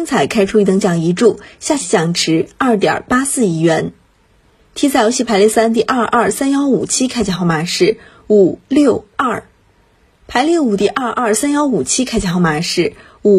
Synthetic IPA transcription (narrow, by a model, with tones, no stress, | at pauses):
i˥ŋt͡sʰa˨˩ɪkʰa˥ɪʈ͡ʂʰu˥i˥˩ɤ˧˥ŋt͡ɕjɑ˨˩ŋi˧˥ʈ͡ʂu˥˩ɕja˥˩t͡ɕʰi˧˥t͡ɕjɑ˨˩ŋʈ͡ʂʰɻ̩˧˥ɐ˥˩t̪̬jɑ̰˨˩pa˥sɹ̩˥˩i˧˥ɥɛ˧˥n | t̪ʰi˥t͡sʰjo˧˥ʊɕi˥˩pʰa˧˥ɪli˥˧sa˥nt̪̬i˥˧ʔɐ˞˥˧ʔɐ˥˩sa˥njɑ˥ʊu˨˩t͡ɕʰi˥kʰa˥ɪt͡ɕa˧˩xɑ˥˩ma˨˩ʂɻ̩˥˩ | u˨˩ljo˥˩˧ʊɐ˥˩ | pʰa˧˥ɪljo˥˩u˨˩t̪̬i˥˧ʔɐ˥˧ʔɐ˞˥˩sa˥njɑ˥ʊu˨˩t͡ɕʰi˥kʰɪt͡ɕa˧˩xɑ˥˩ʊma˨˩ʂɻ̩˥˩ | u˨˩